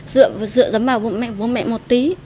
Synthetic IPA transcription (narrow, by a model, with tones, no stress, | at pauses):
zɨ̰˧˨ə˨zɨ̰˧˨əzə˨˦mvaː˨˩wvu˨˦mɛ̰˧˨vu˨˦nmɛ̰˧˨ʔmo˨˩t̚t̪i˨˦